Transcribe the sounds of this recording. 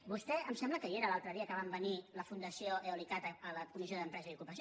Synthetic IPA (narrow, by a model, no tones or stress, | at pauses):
bust̪ɛəmsɛmbləkəieɾəlalˠt̪ɾəðiəkəβambəniləfund̪əsioʔeulikat̪əːləkumizjoðəmpɾɛzəiukupəsi